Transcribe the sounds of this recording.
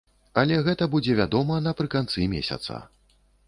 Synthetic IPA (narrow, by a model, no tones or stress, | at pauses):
ɐlʲɛɣɛt̪ɐbud͡zʲɛvʲad̪ɔmɐnɐpɾɨkant̪sɨmʲḛsʲɐ̰t̪sɐ̰